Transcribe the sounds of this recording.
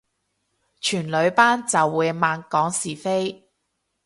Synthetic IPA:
t͡ʃʰyː˨˩nlɵ˨˧ɥpaː˥nt͡sɐ˨wːuː˨˧jmaː˨˧nkɔː˨˥ŋsiː˨˩fe˥j

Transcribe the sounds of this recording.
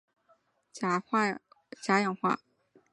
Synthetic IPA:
t͡ɕja˧˥jɑ˨˩ŋxwa̰˥˩

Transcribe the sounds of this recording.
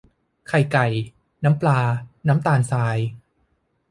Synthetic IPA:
kʰa˨˩jka˨˩j | naː˦˥mplaː˧naː˦˥mt̪aː˧nsaː˧˥j

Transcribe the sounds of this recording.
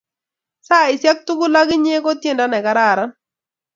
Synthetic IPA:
sa˦ɪ˨sja˦k̚tu˦kʊ˦la˦ɡɪ˦ɲe˦kɔ˦tje˦˨nda˦nɛ˨ka˦ɾa˦˨ɾa˦n

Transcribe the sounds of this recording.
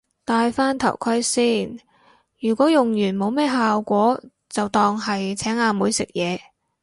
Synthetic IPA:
t̪aː˧jfaː˥nt̪ʰɐ̰˨˩wkʰɐ˥jsiː˥˩n | jyː˨˩kʷɔː˨˥jʊ˨ŋjyː˨˩nmo˨˧wmɛː˥˩ɦaː˨wkʷɔː˨˥ | t͡sɐ˨wt̪ɔː˨˧ŋɦɐ˨jt͡sʰɛː˨˥ŋaː˧muː˨˧jsɪ˨k̚jɛː˨˧

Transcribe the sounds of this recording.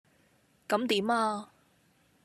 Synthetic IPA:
kɐ˨˧˥mt̪iː˨˥maː˧

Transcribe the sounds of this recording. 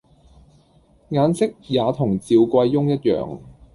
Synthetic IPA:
ŋaː˨˧nsɪ˥k̚jaː˨˧t̪ʰʊ˨˩ŋt͡siː˨wkʷɐ˧jːʊ˥ŋjɐ˥t̚jœ̰ː˨˩ŋ

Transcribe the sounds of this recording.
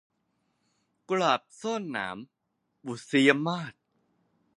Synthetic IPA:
klaː˨˩p̚soː˥˩nːa̰ː˩˦m | bu˨˩si˧˦a˧maː˥˩t̪̚

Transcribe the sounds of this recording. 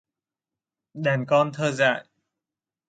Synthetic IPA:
ɗaː˨˩nkɔ˧nt̪ʰəː˧za̰ː˧˨j

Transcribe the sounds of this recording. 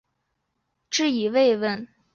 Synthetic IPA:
ʈ͡ʂɻ̩˥˩i˨˩we˥˧ɪwə˥˩n

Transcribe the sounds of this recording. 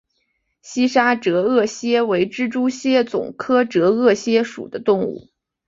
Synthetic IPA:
ɕi˥ʂa˥ʈ͡ʂɤ˧˥ɤ˥˩ɕjɛ˥we˧˥ɪʈ͡ʂɻ̩˥ʈ͡ʂu˥ɕjɛ˥˩t͡sʊ̰˨˩ŋkʰɤ˥ʈ͡ʂɤ˧˥ɤ˥˩ɕjɛ˥ʂṵ˨˩d̪ə˦t̪ʊ˥˧ŋṵ˥˩

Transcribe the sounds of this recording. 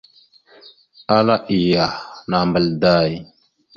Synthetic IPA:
a˦la˦ʔi˨ja˨na˨mbə˨lda˦˨j

